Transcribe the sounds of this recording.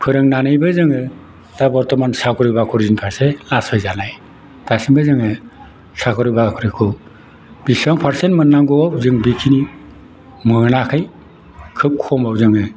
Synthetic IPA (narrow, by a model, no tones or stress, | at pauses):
pʰɯɾɯŋnanɯjbɯzɯŋɯ | d̥abɔɾtɔmansakʰɔɾɯjbakʰuɾzinpʰaɾselasʰajzanaj | tasinbɯzɯŋɯ | sakʰuɾɯjbakʰɔɾɯkʰu | b̥isɔŋpʰaɾsenmɯnːaŋɡɔawzɯŋbikʰini | mɯnakʰɯj | kʰɯk̚kʰɔmawzɯŋɯ